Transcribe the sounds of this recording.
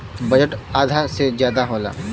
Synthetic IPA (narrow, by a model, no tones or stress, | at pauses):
bɐd͡ʒəʈaːd̪ʱasezjaːd̪aɦoːla̰ː